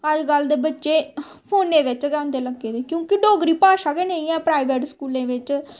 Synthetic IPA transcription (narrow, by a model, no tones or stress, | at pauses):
əd͡ʒɡəld̪eːbətːʃeː | pʰoːnːẽːʋɪt͡ʃɡɛːʊ̃nd̪eːləɡːeːd̪eːkjõːkɪɖoːɡɾiːpaːʃaːɡeːnẽĩːɛ̃ːpɾaːɪʋeːʈskuːlẽːʋɪt͡ʃ